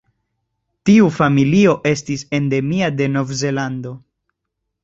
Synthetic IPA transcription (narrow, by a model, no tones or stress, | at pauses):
tiufamilio̞ʔe̞stise̞nde̞miade̞no̞vze̞lando̞